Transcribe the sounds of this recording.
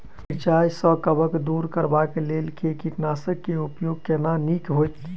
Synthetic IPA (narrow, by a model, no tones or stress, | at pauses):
pɾt͡ʃajsə̃kəbəkd̪uɾkəɾbakelelkekiʈnasəkːeupjoɡ̚kenanikɦojt̪